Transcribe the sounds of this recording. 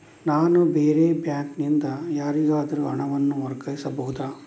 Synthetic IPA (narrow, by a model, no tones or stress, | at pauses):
naːnubeːɾeːbjaːŋknind̪ɐjaːɾiɡaːd̪ɐɾuɐɳɐʋɐnːuʋɐɾkɐjisɐbɐɦud̪aː